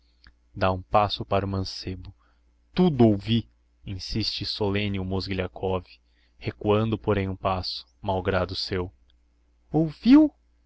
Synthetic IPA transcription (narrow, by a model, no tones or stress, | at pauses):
d̪aũpasʊpaɾʊmɐ̃sebʊ | t̪ud̪ʊowvi | ĩsist͡ʃɪsolẽnɪʊmozɡiʎakʰɔvi̥ | hekuɐ̃nd̪ʊpoɾẽj̃ũpasʊ̥mawɡɾad̪ʊsew | owviw